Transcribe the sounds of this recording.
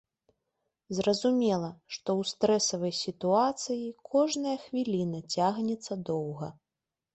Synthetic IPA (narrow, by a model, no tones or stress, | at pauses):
zrɐzumʲɛlˠɐʂt̪ɔwst̪ɾɛsɐvɐjsʲit̪uat̪sɨjikʰɔʐnɐjɐxvʲilʲinɐt͡sʲaɣnʲɛt̪sːɐd̪ɔwɣɐ̰